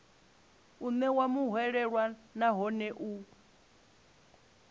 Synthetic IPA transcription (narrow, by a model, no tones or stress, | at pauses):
umɛwamuɦwɛɺɛɺwanaɦɔnɛʔu